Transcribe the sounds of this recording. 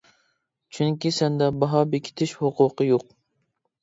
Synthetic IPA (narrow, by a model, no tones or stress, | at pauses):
t͡ʃʰyŋkʲisɛnd̪ɛbɑɦɑbekʲʰi̥t̪ʰɪʃhʊqʰʊqəjoq̚